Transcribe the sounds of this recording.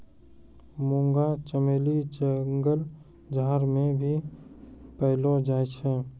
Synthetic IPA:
mõŋɡat͡ʃəmelid͡ʒəŋɡəl | d͡ʒaːɾmẽbʱi | pəɦlod͡ʒaːjt͡ʃʰɛ

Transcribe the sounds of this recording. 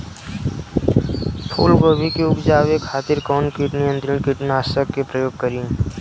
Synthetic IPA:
pʰo̰ːlɡoːʋikeʊpd͡ʒaːʋekʰaːt̪ɪɾkɔːnkiʈnɪjə̃nt̪ɾiɳkiʈnaːsəkːepɾəjoːɡ̚kəɾĩː

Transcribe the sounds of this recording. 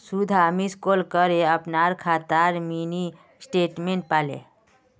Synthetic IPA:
sud̪ʱamiskoːlkəɾeəpnaɾkʰaːt̪aɾmini | sʈeːʈmẽɳʈ̚paːlḛ

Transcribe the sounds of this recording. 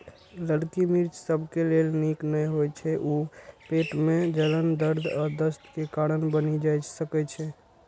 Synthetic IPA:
ləɽkimiɾt͡ʃsəbʱkelelniknəjɦojt͡ʃʰɛʔupeʈmed͡ʒələnd̪əɾd̪ʱɔd̪əst̪kekaɽənbənid͡ʒajsəkɛt͡ʃʰɛ

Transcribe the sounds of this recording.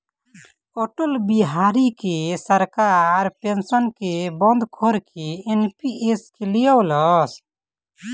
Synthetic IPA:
koʈolbiɦaɾikesəɾkaɾpensənkebɔnd̪kʰoɾkeenpieskelijɔwlɔs

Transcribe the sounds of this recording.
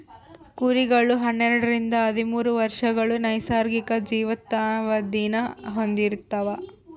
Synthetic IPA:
kuɾiɡɐɭuɦɐnːɛɾɐɽɐɾind̪ɐɐd̪imuːɾuʋɐɾʂɐɡɐɭunɐjsaːɾɡikɐd͡ʒiːʋɐt̪ːaʋɐd̪iːnɐɦo̞nd̪iɾut̪ːɐʋɐ

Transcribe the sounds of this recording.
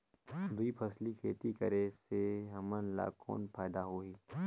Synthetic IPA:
d̪uipʰɐslikʰḛːt̪ikəɾeseɦɐmənla̰ːko̰ːnpʰaːd̪aɦoːiː

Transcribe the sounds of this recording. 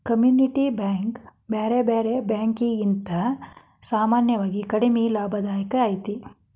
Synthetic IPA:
kɐmjuːniʈibaːŋkbeːɾebeːɾebjaːŋkiɡint̪ɐ | saːmaːnjɐʋaːɡikɐɽimilaːbʱɐd̪aːjɐkɐaːjt̪i

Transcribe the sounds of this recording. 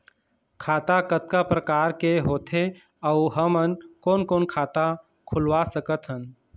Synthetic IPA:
kʰaːt̪akət̪̚kapɾəkaːɾkeɦoːt̪ʰe | əʊɦəmənkoːnkoːnkʰaːt̪a | kʰʊlwasəkət̪ɦən

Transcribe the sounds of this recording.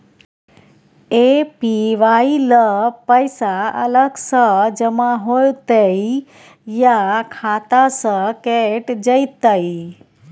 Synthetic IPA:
epiʋailəpəjsaə̰ləɡsəd͡ʒəmãɦojt̪əi | jakʰat̪asəkeʈd͡ʒəjt̪əi

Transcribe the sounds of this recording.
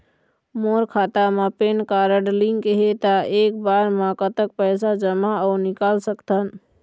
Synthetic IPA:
moɾkʰat̪amãpenkaɾəɖliŋkɦet̪aek̚baɾmãkət̪ək̚pəjsad͡ʒəmaəʊnikalsəkt̪ʰən

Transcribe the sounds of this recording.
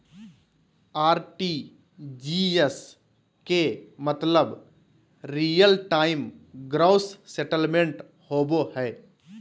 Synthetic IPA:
aːɾʈi | d͡ʒies | kemət̪ləb | ɾijəlʈaːɪmɡɾaʊsseʈəlmẽɳʈ | hoːbohɛː

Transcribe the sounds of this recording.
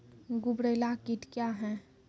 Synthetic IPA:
ɡʊbɽəlakɪʈ̪kjaɦɛ̃ː

